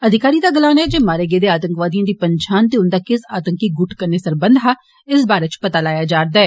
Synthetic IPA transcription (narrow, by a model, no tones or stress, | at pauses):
əd̪ʱɪkaːɾiːd̪aːɡəlaːnɛːd͡ʒeːmaːɾeːɡeːd̪eːaːt̪əŋkʋaːd̪ijãːd̪iːpəɲʃaːnt̪eːʊnd̪aːkɪsaːt̪əŋkiːɡʊʈʰkəɾneːsəɾbənd̪ɦaː | ɪsbaːɾeːt͡ʃpət̪aːlaːjaːd͡ʒaːɾd̪aːɛː